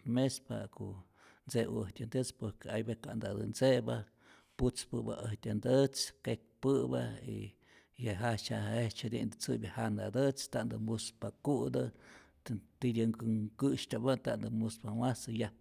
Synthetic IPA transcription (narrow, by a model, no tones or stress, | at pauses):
mespa̰koʔ | nt͡sḛəht̪ʲand̪ət͡spoɾkeajbekaʔnd̪ad̪ɨnt͡seba | put͡spɨba̰ʔəht̪ʲand̪ət͡skek̚pɨba̰ḭ | jaɦat͡ʃaaet͡ʃhad̪ʲḭnd̪ɨt͡sɨbʲjahand̪a̰d̪ət͡st̪aʔnd̪ɨmuspakuʔd̪ɨ | t̪id̪ʲɨŋkɨŋkɨʃt̪ʲabat̪and̪ɨmuspamasɨja